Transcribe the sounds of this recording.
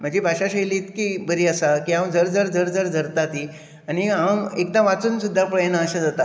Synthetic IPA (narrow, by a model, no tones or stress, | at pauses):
m̤əɳd͡ʑibʱaɕaɕəjlit̪kibəɾiːəsakiːɦamd͡zəɾd͡zəɾd͡zəɾd͡zəɾd͡zʱəɾt̪at̪i | añiɦamek̚d̪ãʋat͡suːnsud̪ʱːapəjnəːɕad͡zat̪a